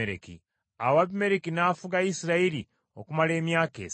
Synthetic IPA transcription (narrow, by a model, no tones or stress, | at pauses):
eɾḛkḭ | awaβimeɾekinafuɡaisiɾaeɾi | okumale̞ːmjaːkḛ